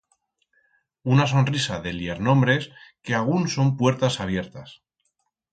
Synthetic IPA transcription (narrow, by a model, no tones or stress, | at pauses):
unaso̞nrisaðe̞ljeɾnõ̞mbɾe̞skeaɣ̞unso̞mpwe̞ɾt̪asaβ̞je̞ɾt̪as